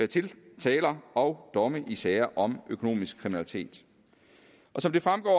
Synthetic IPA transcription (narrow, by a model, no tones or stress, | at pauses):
eɐt͡sʰe̝lt͡sʰɛːlɐɒ̽ʊd̥ɒ̽məʔisɛːɐʔɒ̽mʔøkʰo̝no̝̰ːmisɡ̥̚kʰːʁiminælit͡sʰe̝̰ːd̥ | ʔɒ̽sɒ̽md̥e̝fʁamɡ̥ɒ̰ː